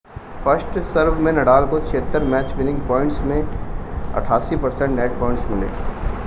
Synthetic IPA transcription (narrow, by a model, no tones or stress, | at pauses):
fəsʈsəɾʋmẽnɐɽaːlkot͡ʃʰeːt̪ːəɾmɛːt͡ʃmɪnɪ̃ŋɡpɔːɪ̃ɳʈsmẽ | ɐ̰ʈʰaːsipɐɾsɛ̃ɳʈnɛːʈ̚pɔːɪ̃ɳʈsmɪlḛː